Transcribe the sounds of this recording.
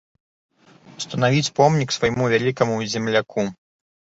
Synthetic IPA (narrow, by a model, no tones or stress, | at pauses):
st̪ɐnavʲit͡sʲpɔmnʲiksvɐjmuvʲalʲikɐmuzʲɛmlʲakʰu